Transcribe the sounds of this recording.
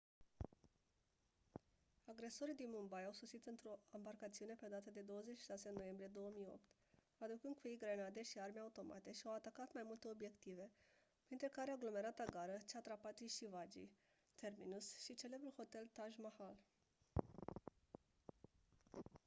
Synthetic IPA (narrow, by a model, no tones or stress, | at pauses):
aɡɾe̞so̞ɾid̪inmumbajawso̞sit̪ɨnt̪ɾo̞ambarkat̪siune̞ped̪at̪əd̪e̞d̪o̞wəzet͡ʃʃi̥ʃasenːo̞je̞mbɾije̞d̪o̞wəmijo̞̰p̚t̪ | ad̪ukɨnd̪̚kujejɡɾenad̪e̞ʃiarmeaut̪o̞mʔa̰t̪e̞ʃiawat̪akat̪majmult̪e̞o̞bje̞kt̪ive̞ | pɾint̪ɾekaɾeaɡlo̞me̞ɾat̪aɡaɾət͡ʃat̪ɾapat̪iʃivad͡ʒḭ | t̪e̞rminusʃit͡ʃe̞le̞bɾulho̞t̪e̞lt̪aʒmahal